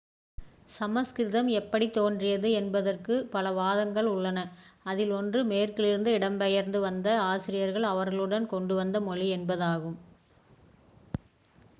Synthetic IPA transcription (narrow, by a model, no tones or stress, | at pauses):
sɐmɐskɪɾɪðɐmɛpːɐɽit̪oːndrɪjɐðɯɛnbɐðɐrkɯpɐlɐʋaːðɐŋɡɐɭʊɭːɐnɐɐðɪlɔndrɯmeːrkɪlɪɾɯnd̪ɯɪɽɐmpɐjɐɾnd̪ɯʋɐnd̪ɐaːsɪɾɪjɐɾɣɐɭɐʋɐɾɣɐɭɯɽɐnkɔɳɖɯʋɐnd̪ɐmɔɭiɛnbɐðaːɣɯm